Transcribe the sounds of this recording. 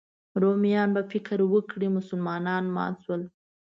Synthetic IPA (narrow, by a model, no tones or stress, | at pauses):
ɾomijɑnbafɪkɾwəkɽimʊsʊlmɑnɑnmɑ̰nswəl